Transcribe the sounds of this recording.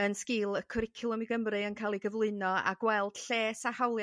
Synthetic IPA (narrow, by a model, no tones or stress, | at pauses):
ənskɪːlˠəkʰɔɾɪkʰɪlˠəmiɡəmrɨənkʰaːlˠiɡəvlˠɨɨnɔa̰ɡwɛlˠd̥ɬeːsahawlˠj